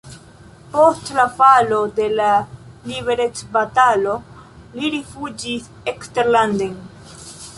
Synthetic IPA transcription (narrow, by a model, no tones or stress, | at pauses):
po̞stlafalo̞de̞lalibe̞ɾet͡sbatalo̞ | liɾifud͡ʒis | ekste̞ɾlanden